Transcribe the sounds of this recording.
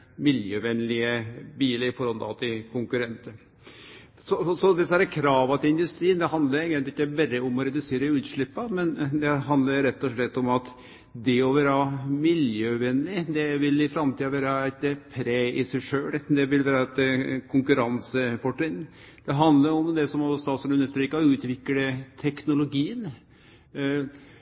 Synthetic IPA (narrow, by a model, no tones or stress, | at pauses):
mɪljøːʋɛnːlɪəbiːləɾɪfɔɾhɔd̪ɑ̰ʋt̪ʰɪkʰʊŋkʉɾɛnt̪ə | sɔɔsɔd̪ɛsəhæɾəkʰɾɑːʋɑt̪ʰɪlɪnd̪ʉst̪ɾiːnd̪ɛɦɑnd̪ləɾɪɡənɪkːəbæɾːəɔmɔɾɛd̪ʉseːɾəʉːt̪ʂɭɪpːɑmɛnd̪ɛɦɑnd̪ləɾɾɛt̪ːɔʂɭɛt̪ːɔmɑt̪ | d̪ɛɔʋæːɾəɑmɪljøːʋɛnːɪd̪ɛʋɪlɪfɾɑmt̪ʰiːɑʋæːɾəæɪt̪ːəpʰɾeːɪsæɪʂøːld̪ɛʋɪlʋæːɾɑt̪ːkʰʊŋkʉɾɑnsəfɔʈɪn | d̪̥ɛɦɑnd̪ləɾɔmd̪ɛsɔmɔst̪ɑːt̪sɔʉnːəʂt̪ɾiːkɑʉːt̪ʋɪkːəɖət̪ʰɛknʊlʊɡiːən